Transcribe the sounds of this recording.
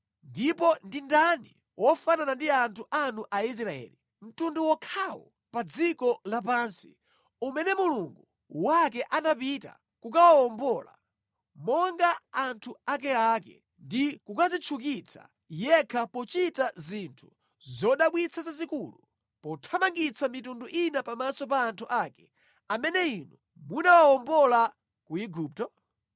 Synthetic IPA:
ndipɔndindani | wʔɔfananandiantʰuʔanuʔais̬ɾaɛ̰ːli | m̩tunduwɔkʰawɔ̰ | pad͡zikɔlapansi̥ | umɛnɛmuluŋɡu | wak̬ɛʔanapita̰ | kukawaɔmbɔla̰ | mɔŋɡaːntʰuak̬ɛakɛ̰ | ndikukad͡zit͡ʃʰuk̬it͡sʰḁ̰ | jɛkʰapɔt͡ʃitazintʰu̥ | zɔɗaɓwit͡sʰazazikulu | pɔtʰamaŋɡit͡sʰamitunduʔinapamasɔpaːntʰuʔakɛ | amɛnɛinɔ | munawawɔmbɔla | kuiɡup̚tɔ

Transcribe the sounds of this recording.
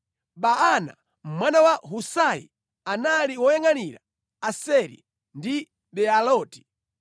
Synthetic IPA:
ɓaana̰ | m̩mwanawaɦusajḭ | analiwɔjɛŋaniɾa | asɛɾḭ | ndi | bɛalɔːti̥

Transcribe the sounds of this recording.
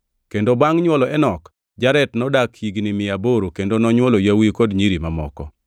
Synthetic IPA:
kendobaŋɲwɔlɔɛnɔk | d͡ʒaɾɛtnɔdakhiɡnɪmɪjaboɾokendonɔɲwɔlojawikodɲiɾimamɔ̰kɔ̰

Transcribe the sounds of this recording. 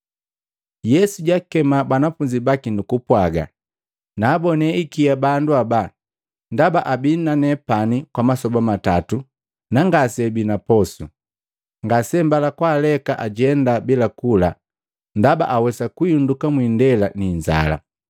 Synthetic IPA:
jɛsuɟakɛmabanafuɲd͡ʒibakinukupwaɡa̰ | naːbɔnɛikiabanduaba | ndabaʔabinnːanɛpanikwamasɔbamatatu | naŋɡasɛbinapɔsu | ŋɡasɛmbalakwaːlɛkaʔaɟɛndabilakula | ndaba̰ʔawɛsakuiundukamwindɛlaniɲd͡ʒa̰la̰

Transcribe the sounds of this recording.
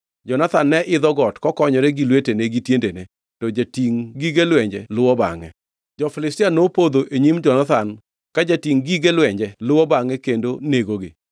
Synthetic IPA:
d͡ʒɔnat̪anːɛʔɪd̪ɔɡɔtkɔkɔɲɔɾeɡilweteneɡitjendene | tɔd͡ʒatiŋɡiɡelwɛɲd͡ʒɛlʊwɔba̰ŋɛ̰ | d͡ʒɔfɪlɪstɪanopod̪oʔeɲimd͡ʒɔnat̪an | kad͡ʒatiŋɡiɡelwɛɲd͡ʒɛlʊwɔbaŋɛkendoneɡoɡɪ̰

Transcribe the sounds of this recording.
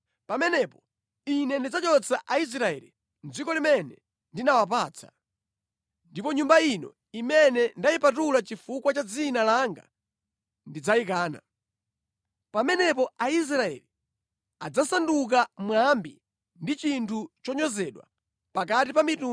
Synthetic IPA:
pamɛnɛpɔ | inɛndid͡zat͡ʃɔt͡sʰaʔais̬ɾaɛ̰lḭ | nd͡zikɔlimɛnɛ | ndinawap̬aːt͡sʰḁ̰ | ndipɔɲumbainɔ̰ | imɛnɛndaipatulat͡ʃifukwat͡ʃad͡zinalaŋɡa̰ | ndid͡zaikaːna̰ | pamɛnɛp̬ɔais̬ɾaɛ̰li | ad͡zasanduk̬amwambi | ndit͡ʃintʰut͡ʃɔɲɔzɛɗwa̰ | pak̬at̬ipamitu

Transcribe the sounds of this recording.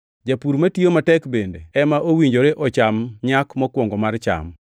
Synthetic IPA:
d͡ʒapuɾmatiomatɛkbendḛɛmaʔowiɲd͡ʒoɾeʔɔt͡ʃamɲakmɔkwɔŋɡɔmart͡ʃa̰m

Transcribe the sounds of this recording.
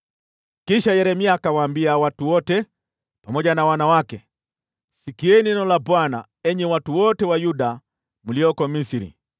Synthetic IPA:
kiʃajɛɾɛmiakawaːmbiawatuwɔtɛ | pamɔɟanawanawakɛ | sikiɛninɔlabwana̰ | ɛɲɛwatuwɔtɛwajuda | muliɔkɔmisiɾḭ

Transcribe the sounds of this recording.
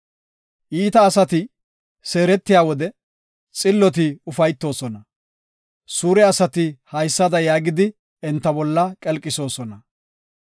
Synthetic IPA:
ʔiːt̪ɐːsɐt̪ɪ | se̞ːɾɛt̪ːɪjaːwɔd̪ɛ | t͡sʼɪlːɔt̪̬ɪʊfɐjt̪ːo̞ːsɔnɐ | suːɾɛɐsɐt̪ɪhɐjsːɐd̪ɐjaːɡɪd̪ɪ | ɛnt̪ːɐbɔlːɐkʼɛlkʼːɪso̞ːsɔnɐ

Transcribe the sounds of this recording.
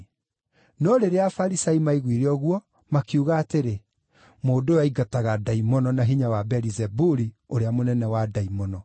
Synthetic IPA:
nɔɾeɾeafaɾisaimaiɣwiɾeɔɣwɔ | makiuɣaːteɾe | moːdojaiɡataɣadaimɔnɔnaɦiɲawabɛɾizɛbuɾi | oɾeamonɛnɛwadaimɔnɔ

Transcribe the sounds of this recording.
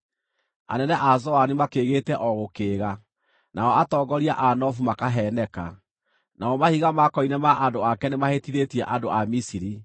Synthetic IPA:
a̰nɛnɛʔazɔanimakeːɣeːtɛʔɔɣokeːɣa | nʔaɔatɔːɡɔɾiaʔanɔfumakaɦɛnɛka̰ | naɔmahiɣamakɔinɛmaʔandoakɛnemahetiɾetiɛʔandoamisiɾi

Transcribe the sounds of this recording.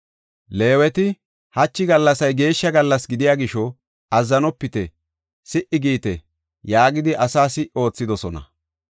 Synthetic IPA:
le̞ːwɛt̪ɪ | hɐt͡ʃːɪɡɐlːɐsɐjɡe̞ːʃːɐɡɐlːɐsɡɪd̪ɪjaːɡɪʃɔ | ɐzːɐnɔpːɪt̪ɛ | sɪʔɪɡiːt̪ɛ | jaːɡɪd̪ɪʔɐsaːsɪʔo̞ːt͡sːɪd̪ɔsɔnɐ̰

